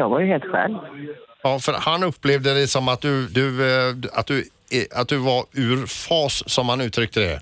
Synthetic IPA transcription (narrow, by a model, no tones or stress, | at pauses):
jɑɡvaɾjəɦeːlt̪ɧɛ̰l | ɑːfœɾhanɵpːlevd̪əd̪ɛsɔmat̪̚d̪ɵd̪ɵd̪a̰t̪̚d̪ɵ | at̪̚d̪ɵvaɾʉ̟ːɾfɑːsːɔmhanʉ̟ːt̪ʰɾʏk̚t̪ʰəd̪ɛ̰